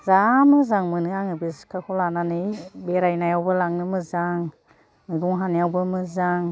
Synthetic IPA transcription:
zamɯzaŋmɯnɯaŋɯbiskʰakʰɔlananɯjbeɾajnajawbɯlaŋnɯmɯzaŋ | mɯjbuŋɦanijawbɯmɯzaŋ

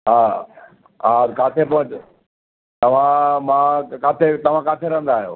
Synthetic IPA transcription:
ɦaː | ɦakaːt̪ʰepɐ̃ɦʊ̃t͡ɕʊ | t̪ɐʋ̤ãmãːkaːt̪ʰet̪ɐʋ̤ãkaːt̪ʰeɾɐ̃ɦə̃n̆d̪aːɦijoː

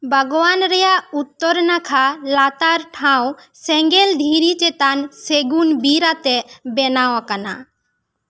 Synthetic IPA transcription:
bʱəɡɔwanɾɛjaut̪ːɔɾnakʰalat̪aɾʈʰãw | sɛŋɡɛld̪ʱiɾit͡ʃɛt̪anseɡunbiɾat̪ɛbɛnawakana̰

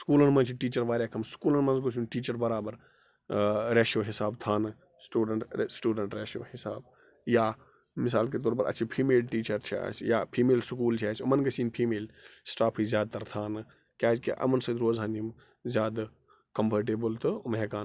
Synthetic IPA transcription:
skuːlɐnmɐ̃nt͡ʃʰiʈiːt͡ʃɐɾʋaːɾjaːkʰɐmskuːlɐnmɐnzɡos̬ʰuːnʈiːt͡ʃɐɾbɐɾaːbɐɾ | ɾeːʃoːɦɪsaːbt̪ʰaːnɨ | sʈuːɖəɳʈsʈuːɖəɳʈɾeːʃo̰ːhɪsa̰ːb | jaː | mɪs̬aːlket̪oːɾpɐɾɐ̰t͡ʃʰipʰiːmeːlʈiːt͡ʃɐɾt͡ʃʰia̰ːsjaːpʰiːmeːlsʊkuːlt͡ʃʰiaːsʲumɐnɡɐsʰiːnpʰiːmeːlsʈaːpʰizjaːd̪̚t̪ːɐɾt̪ʰaːnɨ | kʲaːd͡ʒkḭʔɐ̰mɐnsɐt̪ɾoːzɦand͡ʒim | zjaːd̪ | kɐmpʰɐɾʈ̬eːbəlt̪ɨmɦɛkaːn

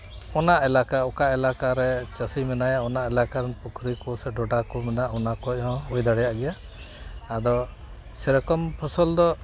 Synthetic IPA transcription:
ɔnaʔɛlakaɔkaʔɛlakaɾɛt͡ʃəsimɛnajaɔnaʔɛlakaɾɛnpukʰɾikɔsɛɖɔɖakɔmɛnaʔɔnakɔɔ̃ujd̪aɽɛjaʔɡɛjaː | d̪ɔ | sɛɾɛkɔmpʰɔsɔld̪ɔ

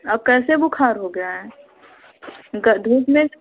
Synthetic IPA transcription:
ɐb̚kɛːsebʊkʰaːɾɦoɡaɦɛ̃ | ɡəd̪ʱuːɡmẽ

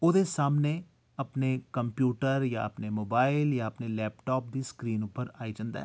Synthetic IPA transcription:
ʊd̪esaːmne | ɐpnekəmpjuːʈəɾja̰əpnemoːbaːɪljãːəpnelɛːpʈɔːp̚d̪iːskɾiːnʊpːəɾaːid͡ʒə̃nd̪ɛ̰ː

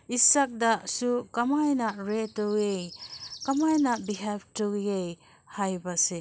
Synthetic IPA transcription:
isak̚dɐsukɐmajnɐɾetowejkɐmajnɐbiɦeb̚towjej | hajbɐse

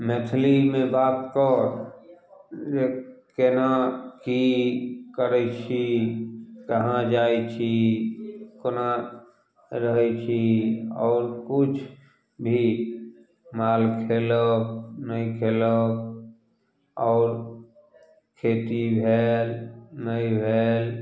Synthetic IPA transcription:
met̪ʰlimẽbaːt̪̚kɔːɾ | ekenaki | kəɾɛt͡ʃʰi | kəɦãd͡ʒaːit͡ʃʰi | kona | ɾəɦɛt͡ʃʰiɔ̰ːɾkʊt͡ʃʰ | bʱi | maːlkʰeːlək̚nəikʰeːlək̚ | ɔːɾ | kʰeːt̪ibʱeːlnəibʱeːl

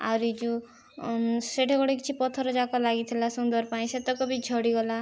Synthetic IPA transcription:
a̰ɾid͡ʒũ | seʈʰeɡɔɽekit͡ʃʰipɔt̪ʰɔɾɔd͡ʒakɔlaɡit̪ʰilasund̪ɔɾpaĩset̪ɔkɔbid͡ʒʱɔɽiɡɔla

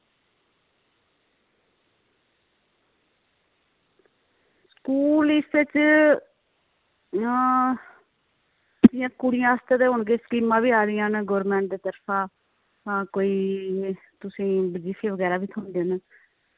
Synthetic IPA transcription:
skuːlɪsɪt͡ʃ | d̪ɪjãːkʊɽɪjãːəst̪et̪eːɦʊɳɡeːskiːmãːʋiːaːɾɪjãːnɡoːɾmɛ̃ːɳʈ̚d̪eːt̪əɾpʰãː | koːiː | t̪ʊsĩːbɪd͡ʒiːsʰiːʋəɡɛːɾaːbiːt̪ʰoːnd̪eːn

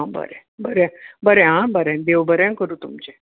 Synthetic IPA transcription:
ɦãbə̰ɾɛ | bəɾɛ̃bəɾɛ̃ɦãbəɾɛ̃nd̪eʋbəɾɛ̃kəɾuːt̪umt͡ɕe

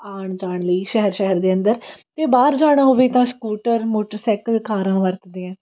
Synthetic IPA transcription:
aːɳd͡ʒaːɳləiːʃɛɦəɾʃɛɦəɾd̪eːənd̪əɾt̪eːbaːɾd͡ʒaːɽ̃aːɦoːʋeːt̪ãːskuːʈəɾmoːʈəɾsɛːkəlkaːɾãːʋəɾt̪d̪ẽːɛ̃ː

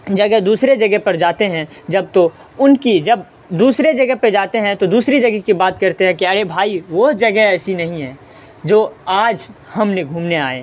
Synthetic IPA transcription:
d͡ʒɐɡəɦd̪uːsɾed͡ʒɐɡəɦpɐɾd͡ʒaːt̪eɦɛ̃ | d͡ʒɐb̚t̪o | ʊnkid͡ʒɐb | d̪uːsɾed͡ʒɐɡəɦped͡ʒaːt̪eɦɛ̃t̪od̪uːsɾid͡ʒɐɡəkibaːt̪kɐɾt̪eɦɛ̃kiaɾebʱaːiʋod͡ʒɐɡəɦɛːsinɐɦĩɦɛ̃ː | d͡ʒoːaːd͡ʒhɐmneɡʱuːmnea̰ːḛː

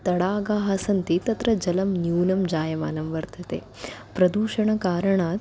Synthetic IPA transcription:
t̪ɐɽaːɡaːɦɐsɐnt̪it̪ɐt̪ɾɐd͡ʒɐlɐmnjuːnɐmd͡ʒaːjɐma̰ːnɐmʋɐɾd̪ʰʱɐt̪ḛːpɾɐd̪uːʃɐɳɐkaːɾɐɳaː

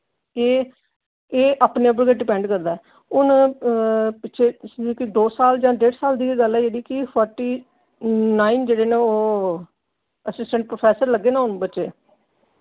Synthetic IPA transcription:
eː | eːʔaːpneːəp̬əɽkeɖɪpɛ̃ːɳɖkəɾd̪aɛ | ʊn | pɪʃʰeːikɪd̪oːsaːld͡ʒãːɖeːɽsaːld̪iːɡəlɛːeːɽiːkɪpʰɔːɾʈiː | naːind͡ʒeːɽeːneːoː | əsɪsʈəɳʈ̚pɾoːpʰɛːsəɾləɡːeːnaʊnbətːʃeː

